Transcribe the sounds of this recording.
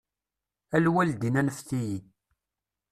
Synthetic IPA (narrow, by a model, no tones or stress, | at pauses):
ælwæld̪inænəfθiji